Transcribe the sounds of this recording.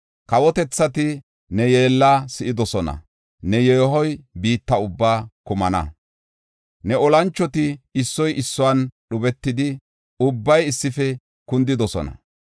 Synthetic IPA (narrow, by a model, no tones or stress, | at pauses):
kɐwɔt̪ɛt͡sːɐt̪ɪ | nɛje̞ːlːaːsɪʔɪd̪ɔsɔnɐ̰ | nɛjeːɦɔjbiːt̪ːɐʊbːaːkʊmɐnɐ̰ | nɛɔlɐnt͡ʃːɔt̪ɪɪsːɔjʔɪsːɔwɐnɗʊbɛt̪ːɪd̪ɪ | ʊbːɐjɪsːɪfɛ | kʊnd̪ɪd̪ɔsɔ̰nɐ̰